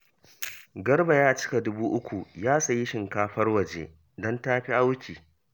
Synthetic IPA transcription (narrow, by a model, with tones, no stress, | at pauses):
ɡɐ˦rba˨jaː˦˨t͡ʃɪ̥˦ka˨dʊ˦buː˦ʔʊ˦kʷu˨jaː˦sɐ˨ji˦ʃɪ˨ŋkaː˦ɸɐ˦rwɐ˨d͡ʒḛ˦ | dɔ˦ntaː˦ɸi˦ʔa˦wkʲiː˨